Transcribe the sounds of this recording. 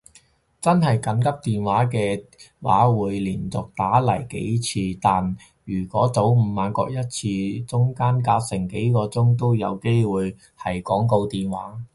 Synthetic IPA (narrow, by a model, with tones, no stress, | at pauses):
t͡sɐ˥nɦɐ˨jkɐ˨˥nkɐ˥p̚t̪iː˨nwaː˨˥kɛː˧wa̰ː˨˥wuː˨˧jliː˨˩nt͡sʊ˨k̚t̪aː˨˥lɐ˨˩jkḛ˨˥jt͡sʰiː˧t̪aː˨n | jyː˨˩kʷɔː˨˥t͡so˨˥wm̩˨˧maː˨˧nkɔ̰ː˧k̚jɐ˥t̚t͡sʰiː˧t͡sʊ˥ŋkaː˥nkaː˧t̚sɪ˨˩ŋke˨˥jkɔː˧t͡sʊ˥ŋt̪o˥wjɐ˨˧wke˥jwuː˨j | hɐ˨jkɔː˨˥ŋko˧wt̪iː˨nwa̰ː˨˥